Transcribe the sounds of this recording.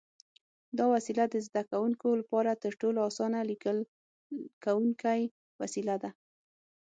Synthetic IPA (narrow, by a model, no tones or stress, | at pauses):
d̪ɑwasilad̪əzd̪akawuŋkolapɑɾat̪əɾʈoloɑsɑnalikəl | kawuŋkaj | wasilad̪a